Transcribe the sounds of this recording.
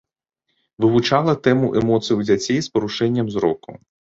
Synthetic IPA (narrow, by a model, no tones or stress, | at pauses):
ʋɨʋʊt͡ʂalˠɐt̪ɛmʊʔɛmɔt̪sɨjuwd͡zʲat͡sʲːɛjspɔɾuʂɛnʲːɐmzɾɔkʊ̰